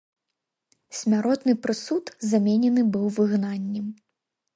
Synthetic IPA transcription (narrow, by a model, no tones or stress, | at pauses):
sʲmʲaɾɔt̪nɨpɾɨsut̪zamʲɛnʲɛnɨbɨwvɨɣnanʲːɛm